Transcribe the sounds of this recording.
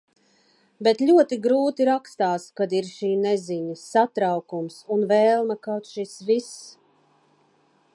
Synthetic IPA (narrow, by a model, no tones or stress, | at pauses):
bet̪ʎʲuɔt̪iɡɾuːt̪iɾakst̪aːskad̪iɾʃiːnɛziɲɨat̪ɾawkumsunvɛːlˠmɐkawt̪ʃisvis